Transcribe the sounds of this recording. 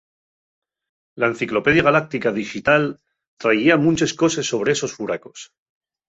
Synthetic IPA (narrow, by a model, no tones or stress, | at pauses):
laẽn̟θiklo̞pe̞ðjaɣalak̚t̪ikaðixit̪al | t̪ɾaiamũnt͡ʃe̞sko̞se̞sːo̞β̞ɾeeso̞sfuɾako̞s